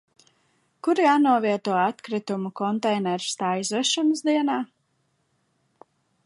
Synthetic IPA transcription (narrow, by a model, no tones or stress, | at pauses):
kuɾjaːnuɔviɛt̪uɔat̪kɾit̪umukɔnt̪ɛjnɛɾst̪aːjzɔʃɔnəsd̪iɛnaː